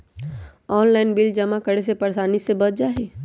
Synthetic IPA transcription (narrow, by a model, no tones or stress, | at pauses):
ɔːnlaːɪnbɪld͡ʒɐmakəɽes̬epɐɾsaːnisebɐt̪̚d͡ʒaːɦeː